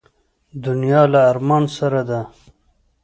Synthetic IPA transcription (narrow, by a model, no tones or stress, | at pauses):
d̪ʊnijɑːlaːɾmɑːnsaɾad̪a